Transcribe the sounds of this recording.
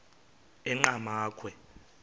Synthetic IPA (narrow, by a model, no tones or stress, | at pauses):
ɛŋ͡ǃamaːkʰwɛ